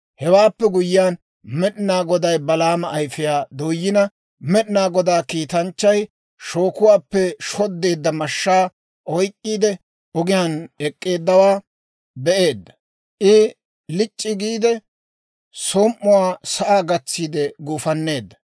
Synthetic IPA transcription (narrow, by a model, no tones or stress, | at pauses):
hɛwaːpːɛɡʊjːɪjaːn | mɛɗɪnaːɡɔd̪ɐjbɐlaːmɐʔːjfɪjaːd̪oːjːɪnɐ | mɛɗɪnaːɡɔd̪aːkiːt̪ɐnt͡ʃːɐj | ʃo̞ːkʊwaːpːɛʃɔd̪ːe̞ːd̪ːɐmɐʃːaː | ʔɔjkʼːiːd̪ɛ | ɔɡɪjaːnɛkʼːe̞ːd̪ːɐwaː | bɛʔe̞ːd̪ːɐ̥ | ʔɪ | lɪt͡ʃʼːɪɡiːd̪ɛ | soːmʔːʊwaːsɐʔaːɡɐt͡sːiːd̪ɛɡuːfɐnːe̞ːd̪ːɐ̥